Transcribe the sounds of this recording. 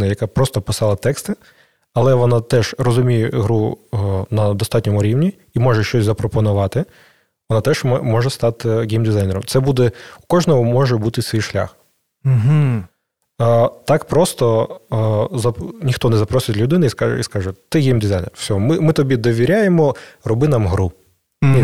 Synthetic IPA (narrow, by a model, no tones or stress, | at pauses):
nɐjɐkapɾɔst̪ɔpɪsɑlˠɐt̪ɛkst̪ɪ | ɐlˠɛʋɔnat̪ɛʒrɔzʊmʲijɛɦɾunɐd̪ɔst̪ɑtʲnʲɔmʊɾʲiwnʲi | imɔʒɛʃt͡ʃɔsʲzɐpɾɔpɔnʊʋɑt̪ɪ | ʋɔnat̪ɛʒmmɔʒɛst̪ɑt̪ɪɡʲejmd̪ɪzajneɾɔmt̪sɛbud̪ɛʊkɔʒnɔɦɔmɔʒɛbut̪ɪsʲʋʲijʃlʲa̰x̩ | ɦ̩ | t̪ɑkpɾɔst̪ɔ | zɐnʲixt̪ɔnɛzɐpɾɔsʲɪt̪ʲlʲʊd̪ɪnɪiska̰iskɑʒɛt̪ɪɡʲejmd̪ʲizajnɛ̰rwsʲɔɦɔmɪmɪt̪ɔbʲid̪ɔʋʲiɾʲajemɔrɔbɪnɐmɦɾu